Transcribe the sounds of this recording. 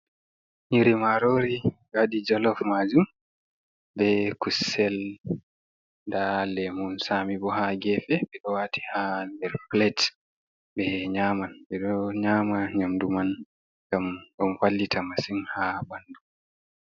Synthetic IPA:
ɲiɾimaɾoːɾiwadid͡ʒɔlɔfmad͡ʒum | bɛkusɛl | dalɛmɔnsamibɔɦaɡɛfɛɓɛɗɔwaːtʰi̥handɛɾplɛt | bɛɲaːmanbɛɗɔɲaːmaɲamduman | ɡamɗɔmfalːitʰamasimhabandu

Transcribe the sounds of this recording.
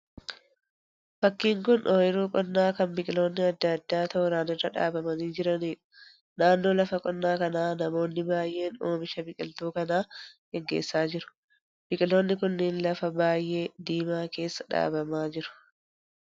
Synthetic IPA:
fɐkːiːŋkʊnʔoːjɪɾuːkʼɔnːaːkɐmbɪkʼɪlo̞ːnːɪɐd̪ːɐɐd̪ːaːt̪ɐʔʊɾaːnɪrɐᶑa̰ːbɐmɐniːd͡ʒɪɾɐniːᶑʊ̥ | naːnːo̞ːlɐfɐkʼɔnːaːkɐnaːnɐmo̞ːnːɪbaːjʔe̞ːnoːmɪʃɐbɪkʼɪlt̪uːkɐnaːɡ̥ɛŋɡḛːsːaːd͡ʒɪɾʊ̥ | b̥ɪkʼɪlo̞ːnːɪkʊnːɪnlɐfɐbaːjʔe̞ːd̪iːmaːke̞ːsːɐ̥ᶑa̰ːbɐmaːd͡ʒɪɾʊ̥

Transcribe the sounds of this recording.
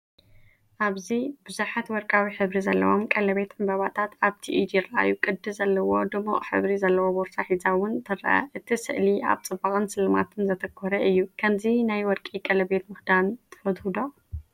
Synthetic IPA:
ʔaβzibɨzuħat̪wɔɾkʼawiħɨβɾizɐlːɐ̰womkʼɐlɐβe̞t̪ʕɨmbɐβat̪ʰat̪aβt̪ʰiʔid̪ijɪɾɐʔa̰jukʼɨd̪ːɨzɐlːɐwo̞d̪ɨmo̰ʔʼħɨ̰βɾizɐlːɐwoboɾt̪ʰaħizawʊnt̪ʰɨɾɐ̰ʔɐ̰ʔɨt̪ʰisɨ̰ʔlia̰βt͡sʼɨbaɣʼɨnsɨlɨma̰t̪ʰɨnzɐt̪ʰɐkʰːɔɾɐʔɨjːukʰɐmzinajwɔɾkʼikʼɐlɐbe̞t̪mɨxd̪ant̪ʰɐ̥fɐd̪hud̪o̞

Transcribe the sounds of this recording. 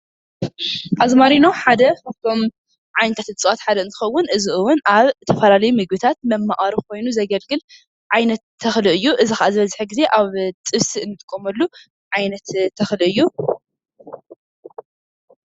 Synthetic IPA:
ʔazmaɾinoħad̪ɐft̪ʰo̞m | ʕajnɐt̪ʰat̪ɨt͡sʼɨwat̪ħad̪ɐɨnt̪ʰɨ̥xɐwːʊnɨziʔɨwʊnaβt̪ʰɐfɐlalɐjumɨɡ̚bɨt̪ʰat̪̚mɐmːaʔʼaɾikʰo̞jnuzɐɡɐlɡɨl | ʕajnɐt̪ʰːɐxlɨʔɨjːuʔɨzixaʔazɨβɐzħɨɡize̞ʔaβt͡sʼɨβsiɨnːɨt̪ʼɨkʼːomɐlːu | ʕajnɐt̪ʰːɐxlɨʔɨjːu

